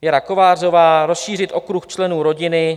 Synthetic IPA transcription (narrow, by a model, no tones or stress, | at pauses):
jɛɾako̞vaːro̞vaːɾo̞sʃiːr̝ɪt̪ʔo̞kɾuxt͡ʃlɛnuːɾo̞ɟɪnɪ